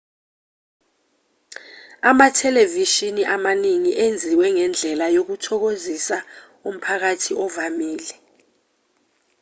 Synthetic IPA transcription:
amatʰɛleviʃiniʔamaniŋiʔend͡zʱiwɛŋɛnd͡ɮʱɛlajok̬utʰɔk̬ozisa | um̩pʰak̬atʰiɔvamiːlɛ

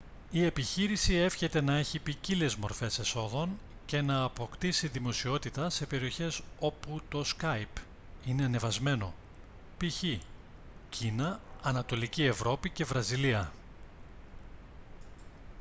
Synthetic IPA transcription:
ie̞piçiɾisie̞fçe̞t̪e̞nɐe̞çipicile̞zmo̞ɾfe̞se̞so̞ðo̞n | ce̞nɐːpo̞kt̪isiðimo̞sio̞t̪it̪ɐse̞pe̞ɾio̞çe̞so̞put̪o̞skɐjp | ine̞ɐne̞vɐzme̞no̞̰ | piçi | cʰinɐːnɐt̪o̞licie̞vɾo̞pice̞vɾɐziliɐ

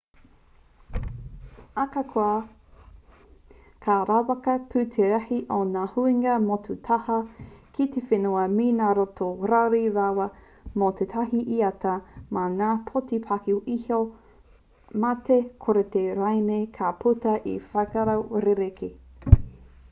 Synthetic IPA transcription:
akakʰoɐ | kʰaɾawɐkɐpʰʉt̪ʰeɾɐhiʔonaːhuiŋɐmotʰutʰɐhɐkʰit̪efenuɐminaːɾotoɾawɾiɾawɐ | mot̪ʰetʰɐɦiʔiɐtɐmanaːpʰotipʰakioʔiho | matekʰoɾet̪eɾajmekʰapʰutɐʔifɐjkaɾawɾeɾekʰe

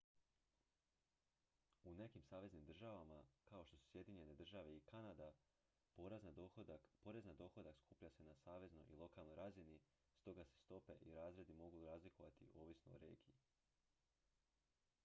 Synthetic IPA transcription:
une̞kimsaːʋe̞znimd̪r̩ʒaʋamakao̞ʃt̪o̞su̥sje̞d̪iɲe̞ne̞d̪r̩ʒaʋe̞ikanad̪a | poɾ | po̞ɾe̞znad̪o̞xo̞d̪akskupʎase̞nasaːʋe̞zno̞̰jḭlˠo̞kalno̞jɾazini | st̪o̞ɡase̥st̪o̞pe̞ʔiɾaːzɾe̞d̪imo̞ɡuɾaːzlikʰo̞ʋat̪ḭʔo̞ːʋisnooɾe̞̰ːɡii

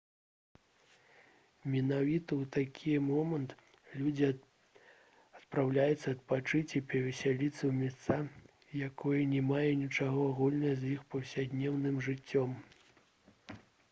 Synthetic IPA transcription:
mʲɛnavʲit̪ɐwt̪akʲʰijɛmɔmɐnt̪ | lʲud͡zʲi | ɐt̪pɾawlʲajut̪sːɐɐt̪̚pat͡ʂɨt͡sʲipʲɐvʲɛsʲalʲit̪sːɐwmʲɛst̪sa | jakʰɔjɐnʲɛmajɛnʲit͡ʂaɣɔaɣulʲnɐɐzjixpɐwsʲad̪ʲnʲɛwnɨmʐɨt͡sʲːɔm

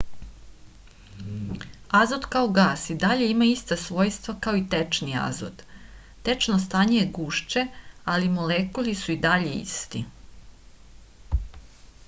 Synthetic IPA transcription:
azod̪kao̞ɡaːsid̪aʎe̞imaist̪asʋo̞ːjst̪ʋakaoit̪et͡ʃnia̰zo̰d̪ː | e̞t͡ʃnost̪aːɲejeɡuːʃt͡ʃe̞alimolekulisuid̪aʎeḭst̪i

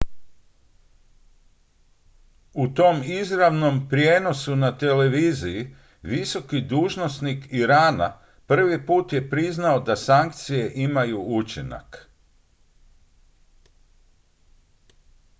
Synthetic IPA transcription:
ut̪o̞mizɾaʋno̞mpɾjeːno̞sunat̪e̞le̞ʋiːziji | ʋiso̞kid̪uːʒno̞snikiɾaːna̰ | pr̩ʋipuːt̪je̞pɾiznao̞d̪asaŋk̚t̪sije̞ʔimajuut͡ʃina̰k

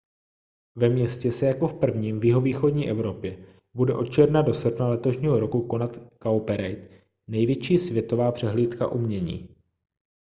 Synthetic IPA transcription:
vɛmɲɛscɛsɛjako̞fpr̩vɲiːmvjɪɦo̞viːxo̞dɲiːʔɛvɾo̞pjɛ | budɛʔo̞t̪̚t͡ʃɛɾnado̞s̩pnalɛt̪oʃɲiːɦo̞ɾo̞kuko̞nat̪kawpɛɾejt̪ | nɛjvjɛt͡ʃiːsvjɛt̪o̞vaːpr̝̥ɛɦliːt̪ka̰ʔumɲɛɲḭː

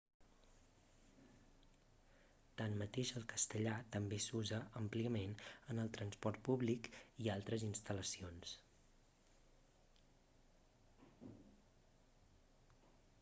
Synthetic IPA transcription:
t̪anmət̪eʃəlˠkəst̪əʎat̪əmbesuzəʔəmpliəmenənəlˠt̪ɾənspɔɾt̪̚puβlikialˠt̪ɾəzinst̪ələsions

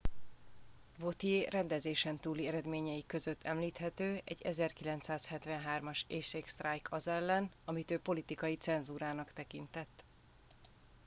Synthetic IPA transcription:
vo̞t̪ijeːrɛnd̪ɛzeːʃɛnt̪uːliɛɾɛd̪meːɲɛjikø̞zøt̪ʰːɛmliːt̪hɛt̪øːɛ̰ɟːɛzɛrkilɛnt̪saːshɛt̪vɛnɦaːrmɒʃeːʃeːkst̪rajkʰɒzɛlːɛn | ɒmit̪øːpo̞lit̪ikɒjit̪sɛnzuːɾaːnɒkt̪ɛkint̪ɛt̪ː

